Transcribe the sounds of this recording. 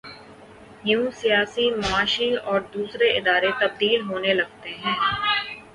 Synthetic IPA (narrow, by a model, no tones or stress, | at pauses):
ɦjũːsijaːsimɐaːʃiɔːɾd̪uːsɾeɪd̪aːɾet̪əb̚d̪iːlɦoːnelɐɡ̚t̪eɦɛ̃ː